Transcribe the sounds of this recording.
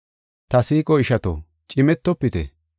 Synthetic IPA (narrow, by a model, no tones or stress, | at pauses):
t̪ɐsiːkʼɔɪʃɐt̪o̰ | t͡ʃʼɪmɛt̪ːɔpːɪt̪ɛ̰